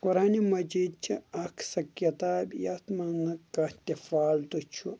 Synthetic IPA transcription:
kuɾaːnimɐd͡ʒiːd̪̚t͡ʃʰiɐkʰsɐkjɐt̪aːbʲjɐt̪mɐnɐkɐt̪ʲifaːlt̪ut͡ʃʰu

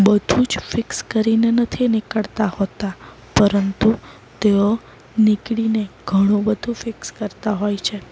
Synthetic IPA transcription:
bəd̪ʱũd͡ʒfɪkskəɾinenət̪ʰinɪkəɭt̪ahot̪a | pəɾənt̪u | t̪eo | nɪkɽineɡ̥ʱəɽ̃õbəd̪ʱũfɪkskəɾt̪aɦojt͡ʃʰe

